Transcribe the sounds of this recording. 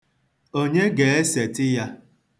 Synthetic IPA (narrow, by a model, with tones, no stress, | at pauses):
o˦ɲe˦ɡe˨e˦se˨tɪ˦ja˦